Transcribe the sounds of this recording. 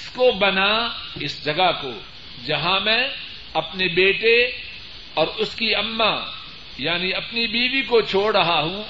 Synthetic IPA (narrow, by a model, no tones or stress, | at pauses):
skobɐnaɪsd͡ʒɐɡako̰ː | d͡ʒɐɦãmɛ̃ | ɐpnebeːʈe | ɔːɾʊskiɐmːa | jaːniɐpnibiːʋikot͡ʃʰoːɽɾɐɦaɦũː